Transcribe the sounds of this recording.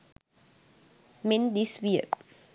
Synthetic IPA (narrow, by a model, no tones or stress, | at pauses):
mɛ̃nd̪iswiə